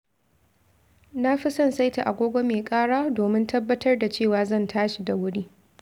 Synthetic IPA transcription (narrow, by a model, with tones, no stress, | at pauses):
na˦ɸi˦sɐ˦˨nsa˦jti˨ʔa˨ɡʷoː˦ɡʷo˦meː˨kʼaː˦ɽaː˦doː˨mɪ˦ntʰɐ˦bːɐ˦tɐ˦rda˨t͡ʃeː˦˨waː˨zɐ˦˨ntʰaː˦ʃi˨da˨wʊ˦ɽiː˦